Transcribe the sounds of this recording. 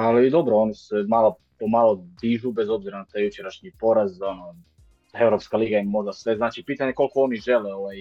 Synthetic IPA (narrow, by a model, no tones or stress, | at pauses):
alid̪o̞bɾoonise̞malo | pomalod̪iʒube̞zo̞bziɾanat̪aːjut͡ʃeɾaʃɲipo̞ɾazono | e̞vɾo̞pskaliːɡaimo̞ʒd̪asʋe̞znaːt͡ʃipiːt̪aɲe̞ko̞lˠko̞oniʒe̞leoʋaj